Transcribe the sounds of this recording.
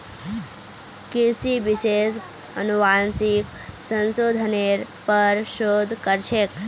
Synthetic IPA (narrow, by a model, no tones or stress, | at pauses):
kiɾsiʋiʃes | ə̰nuʋansik | sə̃nsod̪ʱəneɾpəɾʃod̪ʱkəɾt͡ʃʰek